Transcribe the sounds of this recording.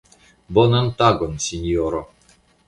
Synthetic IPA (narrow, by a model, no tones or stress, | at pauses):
bɔnamt̪aɡɔnsʲinʲjɔɾɔ